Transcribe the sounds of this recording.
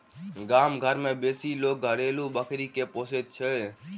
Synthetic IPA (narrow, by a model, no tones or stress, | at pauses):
ɡaːmɡʱəɾmẽːbeːsiːloːk̚ɡʱəɾeːluːbəkʰɾiːkepoːset̪̚t͡ʃʰeː